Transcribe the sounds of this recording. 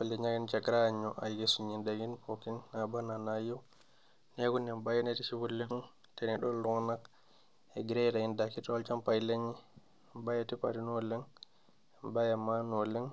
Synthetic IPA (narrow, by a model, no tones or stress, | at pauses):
palɛɲaɡint͡ʃakɾaɲɔʔajɡesuɲindaɡinpokinːabananajiw | neɡunɛmbajɛnɛtifibulːɛnun | tɛnɛɗɔllɔŋnak | ɛɡɾɛdaindakitɔlt͡ʃampajleɲi | bajatipa̰ɾinɔlɛŋ | ɛmbajamːanɔlɛŋ